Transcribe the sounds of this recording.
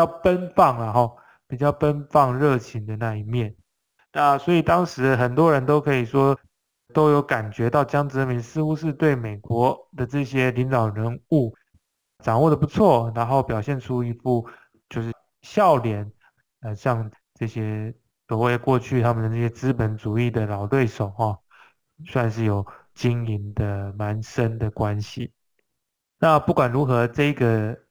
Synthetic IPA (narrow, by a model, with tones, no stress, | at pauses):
jɑ˥˩ʊpə˦nfɑ˥˩ŋlɐ˨xɑ˥˩ | pi˨˩t͡ɕjɑ˥˩ʊpə˦˥nfɑ˥˧ŋɻɤ˥˩t͡ɕʰi˧˥ŋd̪ə˨na˥˧i˧˥mjɛ˥˩n | na˥˩swɔ˧˥i˨˩t̪ɑ˥ŋʂɻ̩˧˥xə˨˩nt̪wɔ˥ɻə˧˦nt̪o˥ʊkʰɤ˧˥i˨˩ʂwɔ˥ | t̪o˥ʊjo˧˥ʊka˨˩nt͡ɕɥɛ˧˥t̪ɑ˥˩ʊt͡ɕjɑ˥ŋʈ͡ʂɻ̩˧˥˧mi˧˥ŋsɹ̩˥˧xu˧˥ʂ̬ɻ̩˥˧t̪we˥˩ɪme˨˩ɪkwɔ˧˥˦d̪ə˨ʈ͡ʂɤ˥˩ɕjɛ˥li˧˥nt̪ɑ˨˩ʊɻə˧˥nu˥˩ | ʈ͡ʂɑ˨˩ŋwɔ˥˩d̪ə˩pu˧˦t͡sʰwɔ˥˩na˧˥nxo˥˩ʊpjɑ˨˩ʊɕjɛ˥˩nʈ͡ʂʰu˥i˧˥fu˥˩ | t͡ɕjo˥˧ʊʂ̬ɻ̩˥˩ | ɕjɑ˥˩ʊljɛ˨˦n | ə˧ɕjɑ˥˧ŋ | ʈ͡ʂɤ˥˩ɕjɛ˥ | t̪wɔ˨˥we˥˧ɪkwɔ˥˧t͡ɕʰy˥˩t̪ʰa˥mə˨d̪ə˩ʈ͡ʂɤ˥˩ɕjɛ˥t͡sɹ̩˥pə˧˥nt͡su˨˩i˥˩d̪ə˩lɑ˨˩ʊt̪we˥˩ɪʂo˨˩ʊxɔ˥˧ | swa˥˧nʂɻ̩˥˩jo˨˩ʊ | t͡ɕi˥ŋi˧˥nd̪ə˨ma˧˦nʂə˦˥nd̪ə˨kwa˦nɕi˨ | na˥˨pu˥˩kwa˨˩nɻu˧˥xɤ˧˥ʈ͡ʂɤ˥˧i˧˥ɡə˨